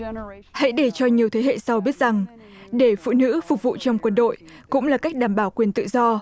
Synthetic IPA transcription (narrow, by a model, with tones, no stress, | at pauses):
ha̰˧˥jɗe˧˩t͡ɕɔ˧ɲi˨˩əwt̪ʰe˨˦hḛ˧˨sa˧wɓi˦˥ət̚z̥a˨˩ŋ | ɗe˧˩fṵ˧˨nɨ̰˧˥fʊ˨˩k̚vṵ˧˨t͡ɕɔ˧wŋ͡mkwə˧nɗo̰˧˨j | kʊ̰˧˥ŋ͡mlaː˨˩ka˦˥jk̟̚ɗaː˨˩mɓaː˧˩wkwi˨˩ənt̪ɨ̰˧˨zɔ˧